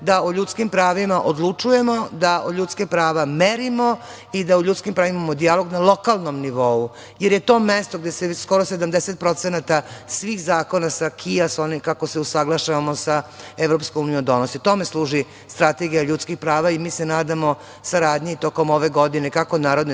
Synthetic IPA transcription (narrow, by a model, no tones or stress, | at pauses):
d̪aoʎut̪skimpɾaːʋimaʔod̪lˠut͡ʂuje̞mo̞d̪aoʎʲut̪skepɾaːʋameɾimo̞ | id̪auʎut̪skimpɾaːʋimamo̞d̪ialo̞ɡnalˠo̞kalˠno̞mniʋo̞u | jeɾjet̪o̞ːmest̪oɡ̚d̪esesko̞ɾose̞d̪amd̪eset̪̚pɾo̞t̪senat̪asʋiːxzaːko̞nasakʰiasonikako̞seusaɡlˠaʃaʋamosae̞vɾopskomuːnijod̪o̞nosit̪o̞me̞slˠuːʒi | st̪ɾat̪e̞ɡijaʎuːt̪skixpɾaːʋaimiːse̞naːd̪amo̞ | saɾaːd̪ɲeit̪o̞ko̞mo̞ʋe̞ɡo̞d̪inekako̞naːɾod̪n